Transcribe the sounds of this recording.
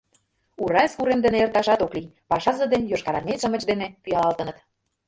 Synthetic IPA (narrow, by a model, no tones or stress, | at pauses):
uɾɑskuɾemd̪ə̆neert̪ɑʃɑt̪oklipɑʃɑzə̆d̪enjoʃkɑɾɑnʲeʃə̆mə̆t͡ɕd̪enepyjɑlɑlt̪ə̆nə̆t̪